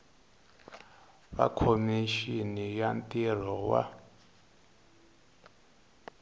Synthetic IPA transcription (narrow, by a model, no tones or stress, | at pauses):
βa̰kʰomiʃinijantir̤ɔwa̰